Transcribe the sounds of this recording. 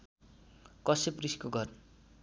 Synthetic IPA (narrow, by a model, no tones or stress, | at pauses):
kʌsepriskoɡʱʌrn